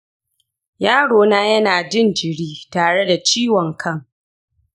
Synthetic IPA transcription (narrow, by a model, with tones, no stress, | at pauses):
jaː˦ɽoː˨naː˦jɐ˦naː˨d͡ʒɪ˦nd͡ʒɪ˨ɽiː˦taː˨ɽe˦da˨t͡ʃiː˦wɔ˨ŋkʰɐ˦˨ŋ